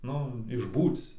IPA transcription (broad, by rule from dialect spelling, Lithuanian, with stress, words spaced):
ˈnʊ ɪʒˈbuːt͡s